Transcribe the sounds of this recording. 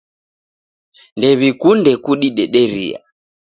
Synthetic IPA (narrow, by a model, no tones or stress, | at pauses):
ndɛβikundɛkuɗiɗɛɗɛɾḭa̰